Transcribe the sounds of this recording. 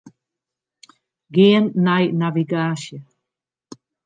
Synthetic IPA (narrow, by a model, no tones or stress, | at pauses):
ɡenːajnaviɡaɕə